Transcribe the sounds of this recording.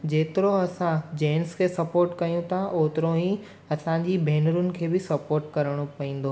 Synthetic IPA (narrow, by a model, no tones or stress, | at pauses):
d͡ʑeːt̪ɪɾoɐsãd͡ʑeːnskʰeːsɐpoːɾʈkɐjũt̪ʰaʔoːt̪ɪɾoɦĩ | ɐsãd͡ʑibʱeːnəɾʊnɪ̆kʰeːbɪsɐpoːɾʈkɐɾəɽ̃opɐĩːn̆d̪o